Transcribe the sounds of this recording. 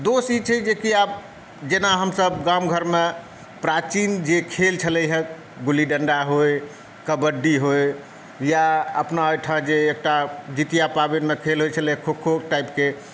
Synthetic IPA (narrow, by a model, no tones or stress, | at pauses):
d̪osid͡ʒt͡ʃʰɛd͡ʒekiab̚ | d͡ʒenaɦəmsəbɡamɡʱəɾme | pɾat͡ʃind͡ʒekʰelt͡ʃʰəlɛjɦɛ̃ | ɡuliɖəɳɖaɦoj | kəbəɖːiɦoj | jaəpnaəjʈʰãd͡ʒeːk̚ʈad͡ʒit̪ijapabenmekʰelɦojt͡ʃʰəlɛɦɛ̃kʰokʰoʈaipke